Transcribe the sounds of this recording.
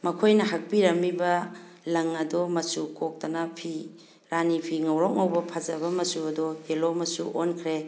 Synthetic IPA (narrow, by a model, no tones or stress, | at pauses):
mɐkʰojnɐɦak̚piɾɐmːibɐ | lɐŋɐdɔmɐsukok̚tɐnɐpʰi | ɾanipʰiŋɐwɾɔk̚ŋɐwbɐpʰazɐbɐmɐsuɐdɔɡelomɐsuʔonkʰɾe